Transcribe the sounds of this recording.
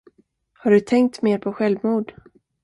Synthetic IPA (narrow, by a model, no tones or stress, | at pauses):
haɖɵt̪ʰɛŋk̚t̪meːɾpʰɔɧɛlvmuːd̪